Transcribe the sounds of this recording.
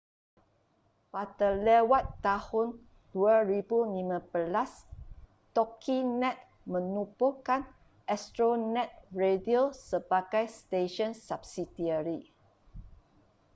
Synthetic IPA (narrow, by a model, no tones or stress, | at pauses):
padalɛwat̪ːahʊn | d̥uaɹibulimãbəlas | t̪ɔkʰinɛ̃t̪̚ | mə̃nupokãn | ʔɛstɹonɛ̃t̪̚ɹediosəbaɡajst̪eʃɔ̃nsap̚sidiəɹi